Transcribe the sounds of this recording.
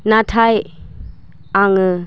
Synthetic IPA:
natʰaj | aŋɯ

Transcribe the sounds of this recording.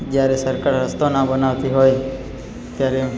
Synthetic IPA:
d͡ʒjaɾesəɾkaɾɾəst̪onabənaʋt̪iɦoj | t̪jaɾe

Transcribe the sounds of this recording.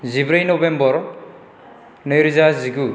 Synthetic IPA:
zibɾajnɔbembɔɾ | nɯjɾizaziɡu

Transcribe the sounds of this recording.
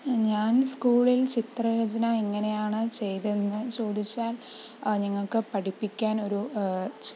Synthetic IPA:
ɲaːnskuːɭilt͡ɕit̪rɐjɐd͡ʑɐnɐeŋːɐne̞jaːɳɨt͡ɕe̞jt̪enːɨt͡ɕo̞ːd̪it͡ɕːaːlniŋːɐɭkɨpɐʈipːikʲːaːno̞ɾu

